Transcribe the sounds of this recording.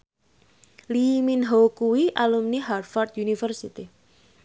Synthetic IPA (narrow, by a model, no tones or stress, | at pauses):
liminɦokuwiʔalumniɦarfard̪junifərsit̪i